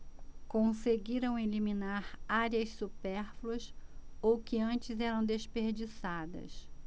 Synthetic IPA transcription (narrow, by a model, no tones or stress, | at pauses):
kõseɡiɾɐ̃w̃eliminaɾaɾiɐssupɛɾfluɐsowkɪɐ̃t͡ʃɪzɛɾɐ̃w̃d̪espeɾd͡ʒisad̪ɐ̰s